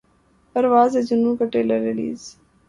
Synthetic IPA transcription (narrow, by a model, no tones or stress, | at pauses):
pəɾʋaːzed͡ʒʊnũːkəʈeːləɾɪlḭːz